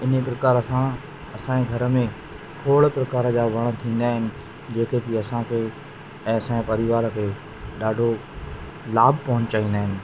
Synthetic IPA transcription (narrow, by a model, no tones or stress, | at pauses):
ɪnepɾɐkaːɾəsã | ɐsãeɡʱɐɾə̆mẽ | kʰoːɭpɾɐkaːɾəd͡ʑaːʋɐɽ̃t̪ʰĩːn̆d̪aːɦɪnɪ̆ | d͡ʑeːkekiɐsãkʰeː | ɛ̃ːɐsãpɐɾɪʋaːɾəkʰeː | ɗaːɖʱo | laːbʱpɐɦʊ̃ɲt͡ɕaːĩːnd̪aːɦɪ̃nɪ̆